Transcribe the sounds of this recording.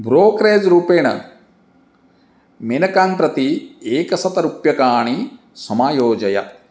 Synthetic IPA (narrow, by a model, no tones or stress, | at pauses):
bɾoːkɾeːd͡ʒɾuːpeːɳɐ̰ | menɐkaːmpɾɐt̪ieːkɐsɐt̪ɐɾupjɐkaːɳi | sɐmaːjoːd͡ʒɐjɐ̰